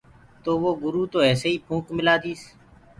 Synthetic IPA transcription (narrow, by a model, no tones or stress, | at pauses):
t̪oːʋoːɡʊɾuːt̪oːɛːseːiːpʰũːkmɪlaːd̪iːs